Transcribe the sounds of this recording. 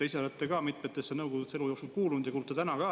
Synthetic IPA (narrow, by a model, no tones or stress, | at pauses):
eiselet̪ːˑekɑːmit̪met̪ːˑesːenɤwɡoɡ̪ut̪se̞lujo̞ːksulkuːlund̥̪jɑkuːlt̪ːɑt̪ænɑkɑ